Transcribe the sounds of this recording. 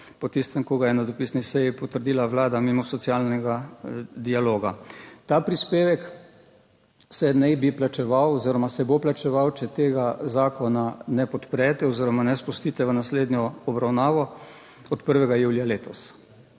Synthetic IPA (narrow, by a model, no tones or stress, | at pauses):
pɔt̪ist̪ɛmkoɡajɛnad̪ɔpisnisɛjipɔt̪əɾd̪iːlaʋlaːd̪amimɔsɔt̪sjaːlnɛɡad̪ialoːɡat̪aːpɾispeːʋɛk | sɛnɛbiplat͡ʃɛʋawɔziɾɔmasɛboplat͡ʃɛʋawt͡ʃɛt̪eːɡazaːkɔnanɛpɔt̪pɾɛːt̪ɛɔziːɾɔmanɛspust̪iːt̪ɛʋənasleːd̪njɔɔbɾawnaːʋɔ | ɔt̪pəɾʋɛɡajuːljaleːt̪ɔs